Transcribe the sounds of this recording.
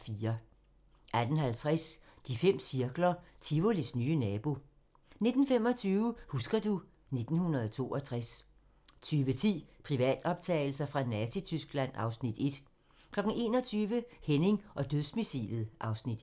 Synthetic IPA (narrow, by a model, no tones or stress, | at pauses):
fiːɐ | ʔæd̥n̩hælt͡sʰʁasd̥ifem̰siɐɡ̥lɐt͡sʰiʋolisnyːənɛːb̥o̝ | ne̝d̥n̩fem̰ɒ̽t͡sʰyːʊəhusɡ̥ɐd̥u | ne̝d̥n̩hunɐðˠɒt͡sʰo̝̰ːɒ̽t͡sʰʁas | t͡sʰyːʋət͡sʰḭːpʰʁiʋɛ̰ːd̥ɒ̽b̥t͡sʰɛ̰ːɪl̩sɐfʁɑ̈nɛsit͡sʰysɡ̥læn̰ɑ̈ʊsnid̥e̝d̥ | kʰlɒ̽ɡ̥ŋ̩e̝̰ːnɒ̽t͡sʰyːʋəhene̝ŋʔɒ̽d̥øðˠsmisḭlð̩ˠʔɑ̈ʊsnid̥